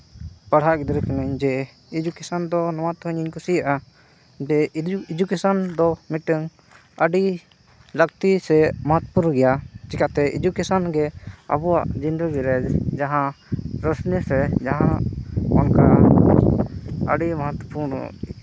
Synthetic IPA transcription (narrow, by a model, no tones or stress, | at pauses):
paɽ̤aʔɡid̪ɾəkanaɲd͡ʒɛ | id͡ʒukesand̪ɔnɔwat̪ɦəɲiɲkusijaʔa | d͡ʒɛid͡ʒukesɔnd̪ɔmiʈəŋ | əɖi | lək̚t̪isɛməɦɔt̪wpuɾnɡɛjat͡ʃikat̪ɛḭd͡ʒukɛsɔnɡɛa̰buwa̰ʔd͡ʒind̪əɡiɾɛd͡ʒd͡ʒaɦãɾəsnisɛd͡ʒaɦãʔɔnka | ə̰ɖiməɦɔt̪ɔpuɾn̰